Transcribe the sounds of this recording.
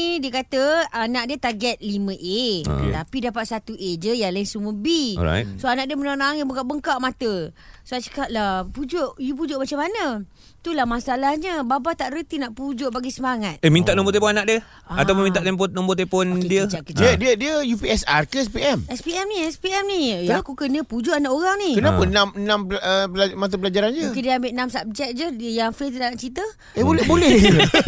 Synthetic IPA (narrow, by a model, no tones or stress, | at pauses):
diəkat̪əanaʔ̚diət̪aɡɛt̪̚limə̃ʔḛt̪apidapat̪̚sat̪uʔed͡ʒəjaŋlaɪnsuməbḭɾa̰jtsoanaʔdiəmənanaŋjabukaʔ̚bəŋkaʔmat̪əsoat͡ʃə̥kap̚lapud͡ʒoʔjup̬ud͡ʒʊʔmat͡ʃamːanə̃ | t̪ulahmasalahɲəbabat̪aʔɾət̪inaʔpud͡ʒʊʔbaɡisəmaŋat̪̚emĩnaʔnɔ̃mbɔt̪epɔnanaʔdiə | at̪awp̬ʊnmint̪aʔt̪ɛmp̬ɔnɔmbot̪epɔndiəd͡ʒakəd͡ʒiədiədiəjupiɛsarkəɛspiɛmɛspiɛmniɛspiɛmnijaakukənə̃pud͡ʒʊʔanaʔoɾaŋnikənapənãmnãmpəlamat̪̬əpəlad͡ʒaɾand͡ʒəkidiəambeʔnamsap̚d͡ʒɛk̚d͡ʒədəjaŋfet̪idaʔnaʔt͡ʃit̪ə | ebolɛhbolɛ